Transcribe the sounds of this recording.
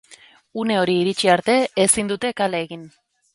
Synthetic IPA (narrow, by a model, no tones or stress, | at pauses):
une̞o̞ɾiːɾit͡ʃiaɾt̪e̞ːsind̪ut̪e̞kaleːɣin